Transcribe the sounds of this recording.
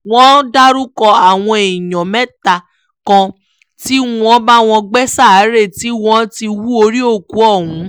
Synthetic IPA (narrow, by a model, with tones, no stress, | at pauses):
w̃ɔ̃˦da˦ɾu˦kɔ˧a˨w̃ɔ̃˧e˨jɔ̃˨mɛ˦ta˨ | kã˧ | ti˦w̃ɔ̃˦ba˦w̃ɔ̃˧ɡ͡bɛ˦sa˦˨˦ɾe˦˨ti˦w̃ɔ̃˦ti˧wu˦o˧ɾi˦o˦˨ku˨˦ɔ˦˨hũ˨˦